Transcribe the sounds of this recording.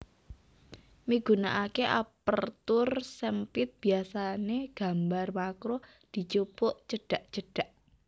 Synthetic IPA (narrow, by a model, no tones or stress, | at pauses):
miɡ̥ṳnaʔakeʔapərt̪ʊrsəmpɪt̪̚b̥iasaneɡ̥a̤mbarmakɾo | d̪̥i̤t͡ʃopoʔt͡ʃəɖ̥a̤ʔt͡ʃəɖ̥a̤ʔ